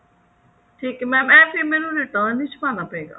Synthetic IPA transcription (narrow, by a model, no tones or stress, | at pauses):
ʈʰiːkmɛ̃ːmɛ̃ːpʰimɛːnũːɾeːʈãːnɪt͡ʃbaːnaːpəeːɡa̰ː